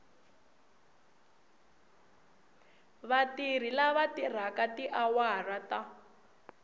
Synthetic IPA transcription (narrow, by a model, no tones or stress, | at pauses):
βatir̤ilaβatir̤akatiʔawarata